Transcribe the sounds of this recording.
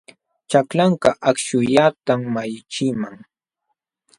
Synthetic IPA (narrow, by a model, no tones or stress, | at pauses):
t͡ʃaklaɴkɑʔakʃʊjat̪amːajt͡ʃɪmaŋ